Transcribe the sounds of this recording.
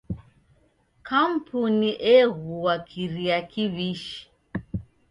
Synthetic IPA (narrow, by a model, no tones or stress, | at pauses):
kam̩puniʔɛɣuwakʰiɾiakiβiʃi̥